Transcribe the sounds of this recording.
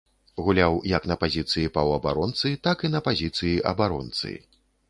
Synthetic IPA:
ɣulʲawjɐknɐpazʲit̪sɨjipɐwɐbaɾɔnt̪sɨt̪akinɐpazʲit̪sɨjiʔɐ̰baɾɔnt̪sɨ̰

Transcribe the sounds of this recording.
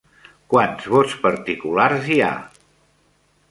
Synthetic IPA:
kwanzβotspəɾt̪ikularzia̰

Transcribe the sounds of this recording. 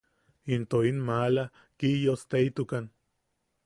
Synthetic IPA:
int̪oinmala | kijost̪eit̪ukan

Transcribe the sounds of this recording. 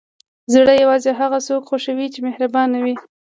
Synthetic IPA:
zɽəjawɑzeɦaɣasokxoʃawit͡ʃemehɾabɑnawi

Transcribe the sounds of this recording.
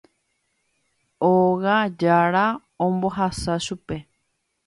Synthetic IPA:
oɣad͡ʒaɾa | õmbo̞ɦasaʃupe̞

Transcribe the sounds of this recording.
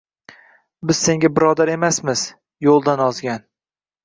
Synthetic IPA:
bɪz̥se̞ŋɡʲabɪɾɒd̪aɾe̞masmɪz | jolˠd̪anɒzɡʲan

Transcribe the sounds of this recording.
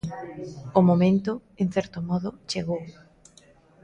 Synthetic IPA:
ʊmomẽnt̪ʊeŋθɛɾt̪omɔðʊt͡ʃeɣow

